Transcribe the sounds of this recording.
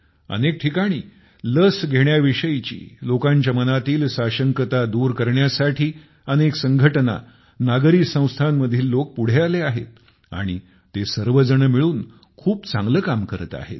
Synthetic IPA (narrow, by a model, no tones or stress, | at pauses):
ə̰nek̚ʈʰikaɽ̃ḭː | ləsɡʱeɳjaʋiʂəjit͡ɕḭːlokaɲt͡ɕamənat̪iːlsaɕəŋkət̪ad̪uːɾkəɾɳjasaʈʰiː | əneksəŋɡʱəʈna̰ | naɡɾisə̃w̃st̪ʰanːəd̪ʱiːlːok̚puɽ̤ealeaɦḛt̪̚ | a̰ɽ̃i | t̪esəɾʋəd͡zəɳəmiɭuːn | kʰuːpt͡sãŋɡləkamkəɾət̪a̰ɦḛt̪̚